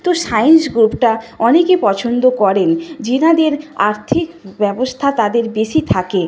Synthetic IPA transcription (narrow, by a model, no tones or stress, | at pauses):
t̪oʃajnsɡɾupʈaɔnekepɔt͡ɕʰond̪okɔɾend͡ʑinad̪eɾa̰ɾt̪ʰikbɛbost̪ʰat̪ad̪eɾbeʃit̪ʰake